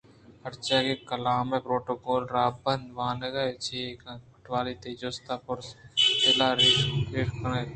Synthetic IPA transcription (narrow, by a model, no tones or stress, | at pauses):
həɾt͡ʃaːkeːkəlaːmeːpɾoːʈoːkoːlɾaːbənʋaːneɡaːt͡ʃʰeːkãkʈʋaːliːt̪eːd͡ʒoːst̪aːpʊɾselaːɾiːsɾeːʈkəne